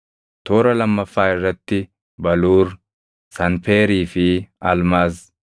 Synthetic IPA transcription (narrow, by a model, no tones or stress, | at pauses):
t̪o̞ːɾɐlɐmːɐfːaːhɪrːɛt̪ːɪ | bɐluːɾ | sɐnpeːɾiːfɪɐlmaːs